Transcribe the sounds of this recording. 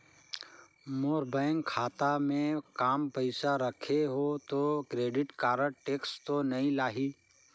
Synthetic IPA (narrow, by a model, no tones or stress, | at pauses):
moːɾbaːjŋɡkʰaːt̪amẽkaːmpəɪsaɾəkʰeɦot̪okɾeːɖɪʈkaːɾəɽʈeːkst̪onɐɦĩlaːɦiː